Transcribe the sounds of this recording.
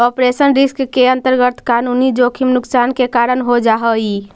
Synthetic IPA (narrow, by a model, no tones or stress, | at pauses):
ɔpɾesənɾiskkeənt̪əɾɡət̪kanunid͡ʒokʰimnʊksankekaɾənɦod͡ʒaɦəi